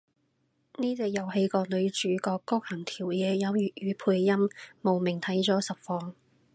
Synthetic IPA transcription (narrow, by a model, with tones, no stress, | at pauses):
niː˥t͡seː˨˧jɐ˨˧whe˨˧jkɔː˧lɵ˨˧ɥt͡ʃyː˨˥kɔː˧kːɔː˥k̚hɐ˨˩ŋt̪ʰiː˨˩wjɛː˨˧jɐ˨˧wjyː˨˩t̚jyː˨˥pʰuː˧jːɐ˥mmo˨wmɪ˨˩ŋt̪ʰɐ˨˥jt͡sɔː˨˥sɐ˨p̚fɔː˧ŋ